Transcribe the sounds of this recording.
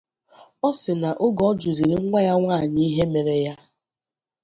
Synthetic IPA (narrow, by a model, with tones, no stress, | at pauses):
ɔ˦sɪ˨na˨ʔʊ˦ɡɔ˨˦d͡ʒu˨zi˨ɾi˦ŋ̩˦ŋʷa˦ja˦ŋʷaː˦˨ni˦ɦe˦me˨ɾe˨ja˦